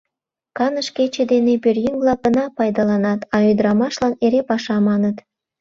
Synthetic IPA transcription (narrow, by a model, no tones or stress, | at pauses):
kɑnəʃket͡ɕed̪enepørjyŋblˠɑɡənɑpɑjd̪ɑlɑnɑt̪ɑyd̪əɾɑmɑʃlɑneɾepɑʃɑmɑnət̪